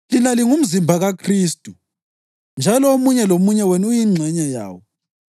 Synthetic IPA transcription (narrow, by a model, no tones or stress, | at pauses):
linaliŋum̩zimbʱaɣakʰriːstʼu | nd͡ʒʱalɔomuɲɛlomuɲɛwɛnujiŋ͡ǀʱɛɲaja̰ːwɔ